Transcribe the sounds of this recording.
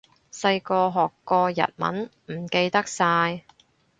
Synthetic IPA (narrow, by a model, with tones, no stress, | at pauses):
sɐ˧jkɔː˧ɦɔː˨kːɔː˧jɐ̰˨t̚mɐ̰˨˥nm̩˨˩ke˧jt̪ɐ˥k̚saː˧j